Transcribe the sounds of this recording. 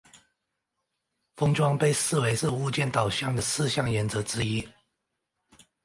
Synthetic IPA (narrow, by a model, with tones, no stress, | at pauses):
fɤ˥ŋʈ͡ʂwɑ˥ŋpe˥˧ɪsɹ̩˥˨we˧˥ɪʂɻ̩˥˧u˥˧t͡ɕjɛ˥˩nt̪ɑ˨˩ʊɕjɑ˥˩ŋd̪ə˨˩sɹ̩˥˧ɕjɑ˥˩ŋjɛ˧˥nt͡sɤ˧˥ʈ͡ʂɻ̩˥i˥